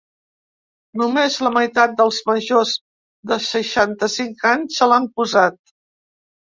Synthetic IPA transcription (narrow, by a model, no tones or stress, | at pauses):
numezləməjt̪at̪̚d̪əlˠzməʒoz | d̪əsəʃant̪əsiŋkaɲsəlampuzat̪̚